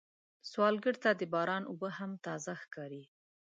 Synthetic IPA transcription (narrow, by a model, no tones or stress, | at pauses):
swɑlɡəɽt̪ad̪əbɑɾɑnʊbəɦamt̪ɑzaxkɑɾi